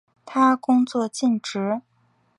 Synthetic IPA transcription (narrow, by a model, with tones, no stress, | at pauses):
t̪ʰa˥kʊ˥ŋt͡swɔ˥˧t͡ɕi˥˩nʈ͡ʂɻ̩˧˥